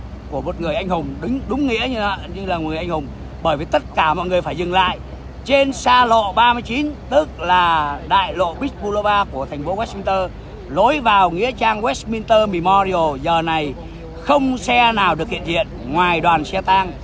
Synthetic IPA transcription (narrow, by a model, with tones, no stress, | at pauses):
ku˧˩əmo˨˩t̚ŋɨ˨˩əjʔa˧jŋ̟hʊ˨˩ŋ͡mɗɨ˨˦ŋɗʊ˨˦ŋ͡mŋḭ˧˥əɲɨ˧˦ɲɨ˧ŋlaː˨˩˨ŋ˨˩ʔa˧ŋ̟hʊ˨˩ŋ͡m | ɓəː˧˩jvi˨˩t̪ə˦˥t̚kaː˧˩mɔ̰˧˨jŋɨ˨˩əfaː˧˩jzɨ˨˩ŋla̰ː˧˨j | t͡ɕe˧nsaː˧lo̰˧˨ɓaː˧mɨ˧əjt͡ɕi˨˦nt̪ɨ˦˥k̚laː˨˩ɗa̰ː˧˨jlo̰˧˨ɓi˦˥k̟̚ɓu˧lə˧vaː˧ku˧˩ət̪ʰɛ˨˩ŋ̟fo˨˦wa˦˥s̚mi˧ŋt̪əː˧ | lo˨˦jvaː˨˩wŋḭ˧˥ət͡ɕaː˧ŋwɛ˦˥smi˧nt̪əː˧mi˨˩mɔ˧ɾi˧o˨˩zəː˨˩na˨˩j | xə˧wŋ͡msɛ˧naː˨˩wɗɨ˨ək̚hḭ˧˨ənzḭ˧˨ənŋwaː˨˩jɗwaː˨˩nsɛ˧t̪a˧ŋ